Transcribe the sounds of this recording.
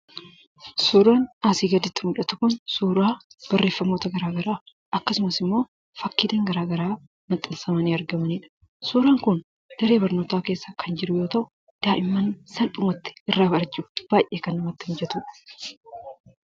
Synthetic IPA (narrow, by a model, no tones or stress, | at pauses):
suːɾaːnaːsiːɡɐd̪ɪt̪ːɪmʊᶑɐt̪ʊkʊnsuːɾaːb̥ɐrːe̞ːfːɐmːoːt̪ɐɡɐɾaːɡɐɾaː | ʔɐkːɐsʊmɐsɪmːo̞ː | fɐkːiːd̪ɐŋɡɐɾaːɡɐɾaː | mɐt̪ʼːɪlsɐmɐniːɐɾɡɐmɐniːᶑɐ̥ | suːɾaːŋkʊn | d̪̥ɐɾe̞ːbɐɾnoːt̪aːke̞ːsːɐkʰɐnd͡ʒɪɾʊjo̞ːt̪ɐʔʊ | d̪̥aːʔɪmːɐnsɐnᶑʊmɐt̪ːɪ̥ɪrːaːbɐɾɐd͡ʒʼɪʊb̥aːjʔeːkɐnːɐmɐt̪ːɪhɪnd͡ʒɛt̪ʊᶑɐ̥